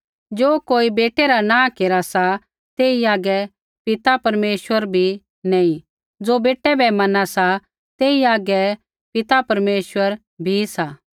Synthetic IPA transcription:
d͡ʒoːkoːibeːʈɛɾanãːkeːɾasa | t̪eːiaːɡɛ | pɪt̪apɐɾmeːsʋəɾbʱi | nɛ̃ːĩ | d͡zoːbeːʈːɛbɛmɐnasa | t̪eːiaːɡɛ | pɪt̪apɐɾmeːswəɾ | bʱisaː

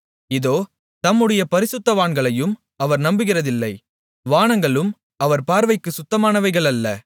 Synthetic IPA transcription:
ɪðoː | t̪ɐmːɯɽɐjɐpɐɾɪsʊt̪ːɐʋaːɳɡɐɭɐjɯm | ɐʋɐɾnɐmbɯɣɪrɐðɪlːɐɪ | ʋaːɳɐŋɡɐɭɯm | ɐʋɐɾpaːɾʋɐɪkːɯsʊt̪ːɐmaːnɐʋɐɪɣɐɭɐlːɐ̰

